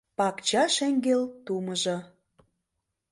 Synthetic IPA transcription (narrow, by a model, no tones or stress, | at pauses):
pɑkt͡ɕɑʃeŋɡelt̪umə̆ʒɤ̆